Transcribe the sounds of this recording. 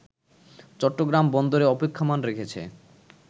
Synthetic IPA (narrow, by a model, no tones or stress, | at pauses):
t͡ɕɔʈːoɡɾambɔnd̪oɾeɔpekʰːamanɾekʰet͡ɕʰḛ